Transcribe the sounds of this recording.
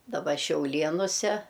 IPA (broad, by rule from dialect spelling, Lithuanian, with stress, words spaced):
dɐˈbɐ ʃʲɛʊˈlʲiɛnʊsʲɛ